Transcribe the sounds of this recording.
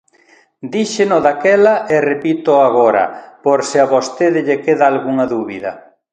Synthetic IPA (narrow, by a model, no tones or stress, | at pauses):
d̪iʃenoðakɛlɐʔerepit̪oaɣoɾɐ̰poɾsɪaβost̪eðɪʎekeðaːlɣuŋɐðuβiðɐ̰